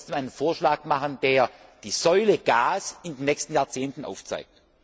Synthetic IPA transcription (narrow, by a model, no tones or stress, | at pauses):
sd̥emaɪnənfoːɐʃlaːkmaχəndeːɐd̥iːz̥ɔʏləɡ̥aːsɪndenːɛçstn̩jaːɐt͡seːntn̩ʔa̰ʊft͡sa̰ɪk̚t